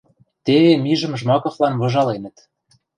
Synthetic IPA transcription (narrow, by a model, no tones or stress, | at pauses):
t̪eβemiʒə̆mʒmɑkɤ̆χlɑnβɤ̆ʒɑlenə̆t̪